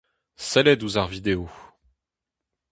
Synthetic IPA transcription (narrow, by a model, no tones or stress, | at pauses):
sɛlɛd̪uzaʁvid̪eo